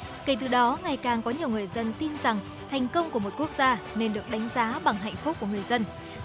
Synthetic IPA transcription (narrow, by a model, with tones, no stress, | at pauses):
ke˧˩t̪ɨ˨˩ɗɔ˨˦ŋa˨˩jkaː˨˩ŋkɔ˨˦ɲi˨˩əwŋɨ˨˩əjzə˧nt̪i˧nza˨˩ŋ | t̪ʰɛ˨˩jŋ̟kə˧wŋ͡mku˧˩əmo˨˩t̚ku˦˥ək̚zaː˧ne˧nɗɨ˨˩ək̚ɗa˨˦jŋ̟zaː˨˦ɓa˨˩ŋɦɛ̰˧˨jŋ̟fʊ˦˥k͡p̚ku˧˩əŋ˨˩əjzə˧n